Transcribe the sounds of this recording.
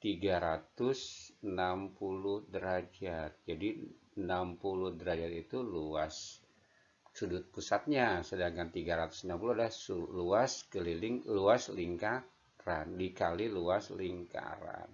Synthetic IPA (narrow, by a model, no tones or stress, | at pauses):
t̪iɡaɾat̪ʊsənampulʊhdəɾad͡ʒat̪̚d͡ʒadi | ənampulʊhdəɾad͡ʒat̪it̪uluas | sudʊt̪̚pusat̪̚ɲasədaŋkant̪iɡaɾat̪u̥sənampuluadahsuluaskəlilɪŋluasliŋka | ɾandikaliluasliŋka̰ɾa̰n